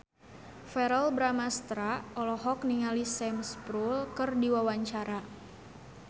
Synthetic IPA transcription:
fɛɾəlbɾamast̪ɾaɔlɔɦɔk̚niŋalisɛmspɾulkɨrdiwawaɲt͡ʃaɾa

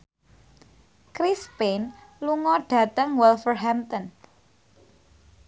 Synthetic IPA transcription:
kɾispenluŋɔɖ̥ä̤t̪əŋwɛlfərɦamt̪ən

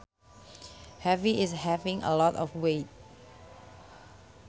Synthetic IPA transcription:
hɛviɪshɛvɪ̃ŋʔə̰lɔtɔfwet̚

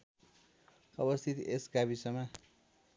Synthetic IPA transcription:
ʌbʌst̪ʰit̪esɡabisʌmʌ

